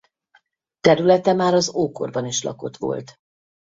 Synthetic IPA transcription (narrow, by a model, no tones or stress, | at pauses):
t̪ɛɾylɛt̪ɛmaːɾɒzoːko̞̰rbɒniʃlɒ̰ko̞t̪ʋo̞̰lt̪